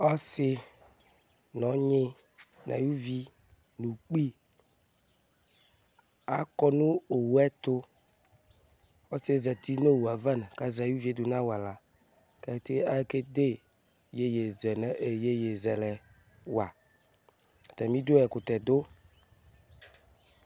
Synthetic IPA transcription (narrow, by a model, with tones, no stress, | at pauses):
ɔ˦sɪ˦ | nɔ̃˨˦ɲẽ˦ | nã̰˨ju˦vi˦ | nũ˨k͡pi˦ | a˦kɔ˦nũ˦o˨wu˨˦ɛ˦t̪o˦ | o˦se˦zɛ˨t̪i˦no˦wu˨a˨va˦n˨ka˦za˨ju˦vi˨˦e˦d̪o˨nã˦wa˨la˨ | kɛ˦t̪e˦a˦ke˦d̪e˦ | je˦je˨zɛ˨nɛ˦e˨je˦je˨zɛ˨lɛ˨ | wa˨ | a˨t̪ɛ˨mĩ˦d̪o˦ɛ˨ko˨t̪ɛ˨d̪o˦